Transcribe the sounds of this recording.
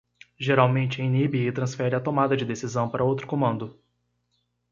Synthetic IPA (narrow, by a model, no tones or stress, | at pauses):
ʒeɾawmẽnt͡ʃɪẽj̃nibiɪt̪ɾɐ̃sfɛɾɪat̪omad̪ɐd͡ʒɪd̪esizɐ̃w̃paɾɐowt̪ɾʊkõmɐ̃nd̪ʊ